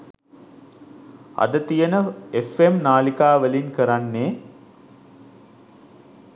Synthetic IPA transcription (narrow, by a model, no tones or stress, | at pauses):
a̰d̪ət̪ijənəefemnaːlikaːʋəlinkəɾanːeː